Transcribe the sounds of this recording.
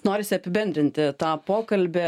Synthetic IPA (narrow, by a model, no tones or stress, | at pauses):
noːɾʲɪsʲɪɐpʲɪbʲɛnd̪ɾʲɪnʲt̪ʲɪt̪ɑːpoːkɐlʲbʲɛ